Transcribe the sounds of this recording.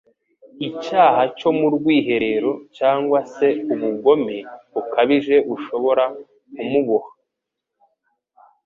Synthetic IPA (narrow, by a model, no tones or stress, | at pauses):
icaːhaco̞muɾɡwiːɦe̞ɾe̞ɾo̞caːŋɡwase̞uβuɡo̞meβukaβiʒe̞uʃo̞βo̞ɾa | umuβohḁ